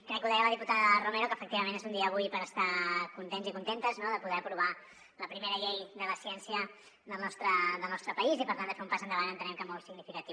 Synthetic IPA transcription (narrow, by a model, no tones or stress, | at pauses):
kɾɛkːuðɛjələð̞iput̪aðərumɛɾukəːfək̚t̪iβəmẽnezund̪iəːβ̞ujpəɾəst̪akunt̪enzikunt̪ent̪əznoðəpuðɛəpɾuβ̞a | ləpɾimeɾəʎejðələsiɛnsijə | ðəlˠnɔst̪ɾəðəlˠnɔst̪ɾəpəizipəɾt̪and̪əfeumpazənd̪əβanənt̪ənɛmkəmɔlˠsiɡnifikət̪i